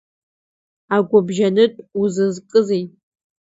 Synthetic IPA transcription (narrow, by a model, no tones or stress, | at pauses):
aɡʷʊbʒanɨtʼuzɨzkʼɨzejtʼ